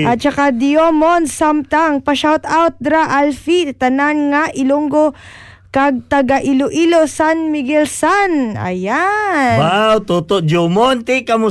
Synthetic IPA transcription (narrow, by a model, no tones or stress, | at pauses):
ʔɐt̪̚t͡ʃɐkad̪ɪomonsamt̪aŋpɐʃawt̪awt̪̚d̪ɾaʔalfit̪ɐnanŋaʔɪluŋɡo | kaɡ̚t̪ɐɡaʔɪloʔilosanmɪɡɛlsanɐ̰jawawt̪ut̪od̪omont̪ikɐmʊ